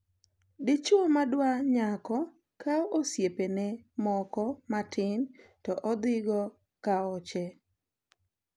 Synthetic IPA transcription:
dɪt͡ʃʊɔmadwaɲakɔ | kaosjepenɛmɔkɔmatɪn | tɔʔɔd̪ɪɡɔ | kaɔt͡ʃɛ

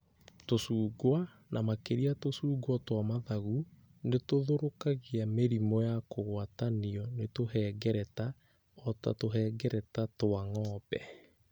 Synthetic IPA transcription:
tosuːɡwa | namakeɾiatosuːɡwɔtwamaðaɣu | netoðoɾokaɣiameɾimɔjakoɣwataniɔnetohɛːɡɛɾɛta | ɔta̰toɦɛːɡɛɾɛtatoaŋɔːpɛ̰

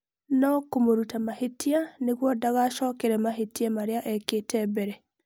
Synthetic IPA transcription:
nɔkomoɾutamahetianekwɔdaɣaʃɔkɛɾɛmaɦetiamaɾeaʔɛketʰɛbɛɾɛ

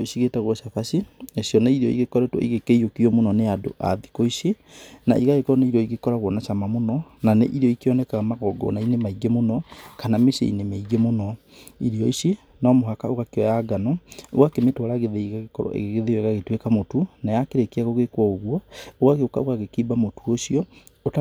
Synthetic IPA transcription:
isiɣetaɣwɔʃafasiesiɔnaiɾeɔḭɣekɔɾɛtwɔ̰iɣekeijokiɔmonɔneado̰ʔa̰ðikɔise | na̰iɣaɣekɔɾɔneiɾɔiɣekɔɾaɣwɔnaʃamamonɔnanḛʔiɾeɔikeɔnɛkaɣamaɣɔɡɔ̰nainemaiɡemonɔkanamesḛḭnemeiɡemonɔ | iɾeɔise | nɔmoɦakaoɣakeɔjaɡanɔo̰wakemetwaɾaɣeðeiɣaɣekɔɾɔ̰ʔḛɣeɣeðewɛɣaɣetwekamotunajakeɾekeaɣoɣekwɔoɣwɔoɣaɣeokaoɣaɣekiːbamotuoʃiɔ | ota

